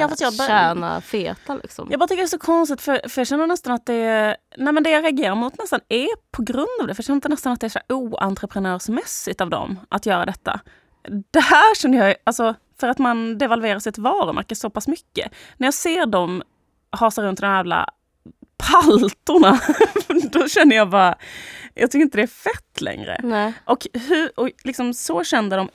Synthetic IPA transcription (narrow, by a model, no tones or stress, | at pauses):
jɑːffast̪jɑæːna̰feːt̪alɪ̰ksɔ̰mjɑɡbɑɾat̪ʏkəd̪ɛsɔkʰɔnst̪ɪt̪fœɾfœɾjɑɕɛnːəɳɛst̪anat̪̚d̪ɛnɛɪmɛnd̪ɛjaɾɛaɡeːɾaɾmʊt̪nɛst̪anæpʰɔɡɾɵnd̪ɑvd̪ɛfɾjɑɕɛnːd̪ənɛst̪anat̪̚d̪ɛːsæuːa̰nt̪ɾəpʰɾənœːʂmɛsːɪɡ̚t̪avd̪ɔ̰mʔat̪jœːɾa̰d̪ɛt̪ːa̰ | d̪̥ɛhæɾɕɛnːəjɑalsɔ | fœɾat̪mand̪ɛvalveːɾasɪt̪vɑːɾʊmæ̰ɾkːəsɔpʰasmʏkːə̰ | næɾjɑːseːɾɖɔm | hɑːsaɾɵnt̪d̪ɔmjæːvla̰ | pʰalt̪ʊɳa | d̪ɔɕɛnːəjɑːva | jʔɑ̰ɡt̪ʰʏkːəɾɪnt̪ədɛæfɛt̪ːlɛ̰ŋɾə̰ʔɔkhɵɾɔlɪksɔmsɔɕɛnd̪əd̪ɔm